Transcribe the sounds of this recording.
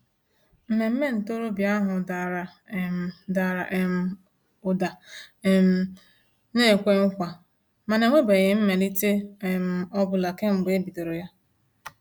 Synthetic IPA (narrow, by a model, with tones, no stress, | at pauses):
m̩˨me˨m̩˦me˦n̩˨to˦ɾo˦bja˦ɦʊ˨da˨ɾa˨ | m̩˨da˨ɾa˨ʔe˨m̩˨ | ʊ˨da˨m̩˨ | ne˦˨kʷe˦ŋ̩˦kʷa˨ | ma˨ne˨ŋʷe˦be˨ɣɪ˨m̩˦me˨li˦te˦˨m̩˨ɔ˦bʊ˨la˨ke˦ŋ͡m̩˨ɡ͡be˨e˦bi˨do˨ɾo˨ja˦